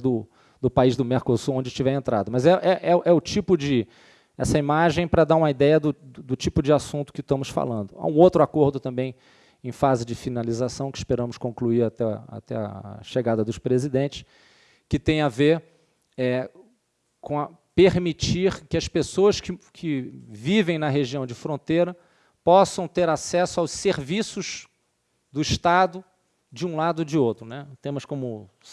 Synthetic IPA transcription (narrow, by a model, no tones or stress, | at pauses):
d̪ʊ | d̪ʊpaizd̪ʊmeɾkosuɾõd͡ʒɪt͡ʃivɛẽnt̪ɾa̰d̪ɐmɐzɛʔɛʔɛʔɛʊt͡ʃipʊd͡ʒɪ | ɛsɐimaʒẽj̃pɾɐd̪aɾũmɐid̪ɛjɐd̪ʊʊd̪ʊt͡ʃipʊd͡ʒɪasũnt̪ʊ̥kɪʃt̪ɐ̃mʊsfa̰lɐ̃nd̪ʊa̰ũowt̪ɾʊakoɾd̪ʊt̪ɐ̃mbẽj̃ | ẽj̃fazɪd͡ʒɪfinalizasɐ̃w̃kɪspeɾɐ̃mʊskõŋkluiɾat̪ɛa̰t̪ɛɐ̰ʃeɡad̪ɐd̪ʊspɾezid̪ẽnt͡ʃɪ̥s | kɪt̪ẽj̃aveɾ | ɛ | kõɐ | peɾmit͡ʃiɾkɪɐspesoɐskɪkʰɪvivẽj̃nɐɦeʒiɐ̃w̃d͡ʒɪfɾõnt̪ejɾɐ | pɔsɐ̃w̃t̪eɾasɛsʊawsseɾvisʊz | d̪ʊiʃt̪ad̪ʊ | d͡ʒɪũlad̪ʊd͡ʒɪowt̪ɾʊnɛt̪ẽmɐskõmʊ